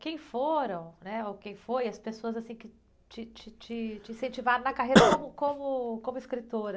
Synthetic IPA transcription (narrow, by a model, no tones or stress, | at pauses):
kẽj̃foɾɐ̃w̃nɛokẽj̃fojɐspesoɐzasĩkɪ | t͡ʃɪt͡ʃɪt͡ʃɪt͡ʃɪĩsẽnt͡ʃivaɾɐ̃nɐkaɦejɾɐkõmʊkõmʊkõmʊɪskɾit̪oɾɐ